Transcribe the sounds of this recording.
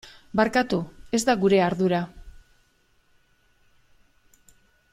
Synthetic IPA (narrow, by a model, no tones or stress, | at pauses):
baɾkat̪ue̞zd̪aɣuɾe̞aɾðuɾa